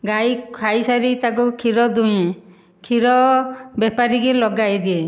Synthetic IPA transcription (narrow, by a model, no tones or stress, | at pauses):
ɡajkʰajsaɾit̪ak̬ukʰiɾɔd̪uj̃ẽ | kʰiɾɔbɛpaɾiɡilɔɡajd̪ie